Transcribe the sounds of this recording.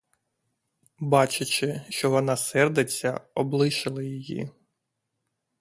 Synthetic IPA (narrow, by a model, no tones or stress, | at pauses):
bɑt͡ʃʊt͡ʃɪʃt͡ʃɔʋɔnɑsɛrd̪et͡sʲːɐ̰ɔblˠɪʃɪlˠɪjijḭ